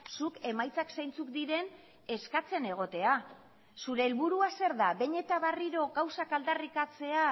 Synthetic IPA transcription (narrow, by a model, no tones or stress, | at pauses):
suke̞majt͡saksajnt͡sukd̪iɾe̞n | e̞skat͡se̞ne̞ɣ̞o̞t̪e̞a | suɾe̞ːlβuɾuase̞ɾðaβe̞ɲe̞t̪aβariɾo̞ɣawsakald̪arikat͡se̞a